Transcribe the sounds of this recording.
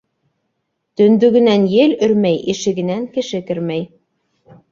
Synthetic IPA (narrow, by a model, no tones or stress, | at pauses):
t̪ɵ̆nd̪ɵɡɘ̆nænjɘlɵ̆ɾmæjiʃɘ̆ɡɘ̆næŋkɘ̆ʃɘkɘ̆ɾmæj